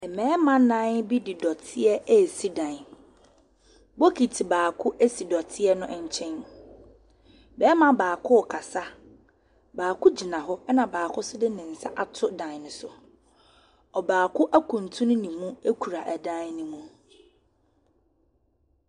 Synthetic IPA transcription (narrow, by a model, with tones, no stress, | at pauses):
ɛ˨mɛ̃ː˨˦mã˦nã˦nbi˦dɪ˨dɔ˨tʰɪ˦ɛ˦ɛ˦˨si˦dã˨n˨ | bo˦kʰi˨tʰi˨baː˨kʰʊ˦ʔe˦si˨dɔ˨tʰɪ˦ɛ˦nʊ̃˦ʔɲ˨t͡ɕʰɛ̃˦n | bɛː˦mã˦baː˨kʰʊ˦ɔ˨kʰa˨sa˦ | baː˨kʰʊ˦d͡ʑi˨nã˨ɦʊ˦nã˨baː˨kʰʊ˦sɪ˦dɪ˦nɪ̃˨n̩˨sa̰˦ʔa˨tʰʊ˦dã˨n˨n˨sʊ˨ | ɔ˨baː˨kʰʊ˦ʔæ˦kʰũ˨n˨tʰũ˦nʊ̃˦nĩ˨mũ˦e˦kʰu˨ɾa˨ʔæ˨dã˦nnĩ˨mũ˦